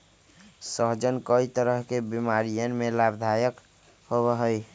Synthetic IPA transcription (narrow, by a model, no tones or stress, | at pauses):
səɦd͡ʒənkəit̪əɾəɦkebimaɾijənmelabd̪ʱajək | hoβəɦəj